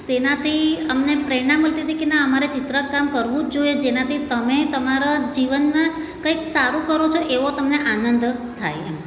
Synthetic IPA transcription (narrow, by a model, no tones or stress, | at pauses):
t̪enat̪ʰiəmnepɾenaməlt̪it̪ʰikenaəmaɾet͡ʃɪt̪ɾəkːamkəɾʋũd͡ʒoed͡ʒenat̪ʰit̪əmet̪əmaɾad͡ʒiʋənmã | kəjksaɾũkəɾot͡ʃʰoʔeʋot̪əmneʔanənd̪t̪ʰa̰jḛm